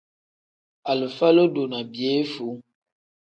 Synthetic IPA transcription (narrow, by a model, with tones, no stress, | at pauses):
a˨lə˨fa˦lo˦do˨na˨bi˨e˨˦fu˨˦